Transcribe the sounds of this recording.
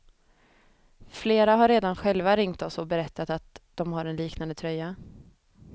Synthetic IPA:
fleːɾaɦaɾeːd̪anɧɛlvaɾɪŋt̪ɔsɔbɛɾɛt̪ʰːat̪at̪d̪̥ɔmɦaɾɛnliːknand̪ət̪ʰɾœjːa

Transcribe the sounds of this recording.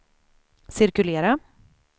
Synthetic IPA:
sɪɾkɵleːɾa

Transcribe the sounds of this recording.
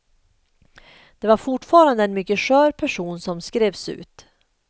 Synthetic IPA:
d̪̥ɛvaɾfʊʈfɑːɾand̪əɛnmʏkːəʂœːɾpʰæʂuːnsɔmskɾeːvsʉ̟̰ːt̪

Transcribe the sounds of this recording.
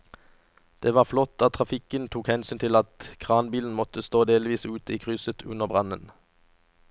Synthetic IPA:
d̪̥eːʋɑːʁflɔt̪̚ːdɑːt̪ʰʁɑfɪkənt̪ʰuːkhɛnsyːnt̪ʰɪlɑt̪kʰʁɑːnbiːln̩mɔt̪əst̪oːd̪eːlʋiːsʉːt̪əiːkʰʁʏsət̪ʰʉnəʁbʁɑnən

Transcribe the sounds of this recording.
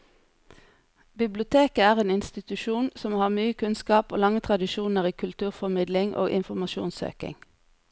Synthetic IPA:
bɪblɪʊt̪ʰeːkəæːʁeːnɪnst̪ɪt̪ʉʃuːnsɔmhɑːʁmyːəkʰʉnskɑːpo̰ːlɑŋət̪ʰʁɑd̪ɪʃuːnəʁiːkʰʉlt̪ʰʉːʁfɔmɪd̪lɪŋʔo̰ːʔɪnfɔʁmɑʃṵːnsø̰ːkɪ̰ŋ

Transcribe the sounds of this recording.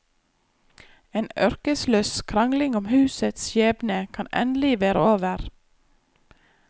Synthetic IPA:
eːnœɾkəsløːskʰɾɑŋlɪŋʊmhʉːsət̪sjeːbnəkʰɑnʔɛ̰nd̪lɪʋeːɾəoːʋəɾ

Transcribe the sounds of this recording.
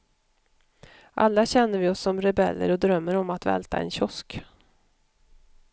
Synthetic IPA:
ʔa̰lːaɕɛnːəɾvɪɔsːɔmɾɛbɛlːə̰ɾɔd̪ɾœmːəɾɔmat̪vɛ̰lt̪ʰa̰ɛ̰nɕɔsk

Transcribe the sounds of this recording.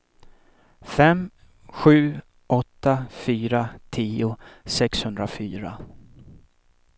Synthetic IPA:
fɛm | ɧʉ̟ː | ʔɔt̪ːafyːɾat̪ʰiːʊsɛkshɵnd̪ɾafyːɾa̰

